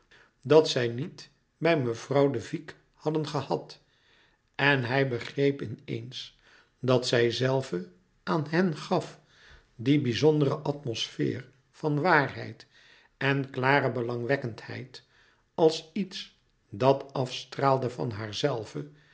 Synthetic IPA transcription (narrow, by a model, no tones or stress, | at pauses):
dɑtsɛjnit | bɛjməv̥rɑwdəvik | hɑdənχəhɑt | ɛnɦɛjbəχrejpɪnḛjns | dɑtsɛjzɛlˠvə | aːnɦɛnχɑf | dibizɔndərəʔɑtmosfɪ̰ːr | v̥ɑnʋaːrɦɛ̰jt | ɛnklaːrəbəlɑŋʋɛkənthɛ̰jt | ɑlˠsits | dɑtɑfstraːlˠdəvɑ̰nɦaːɹzɛlˠvə